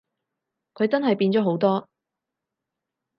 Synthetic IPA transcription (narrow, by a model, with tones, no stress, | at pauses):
kʰɵ˧ɥt͡sɐ˥nɦɐ˨jpiː˧nt͡sɔː˨˥ɦo˨˥wt̪ɔː˥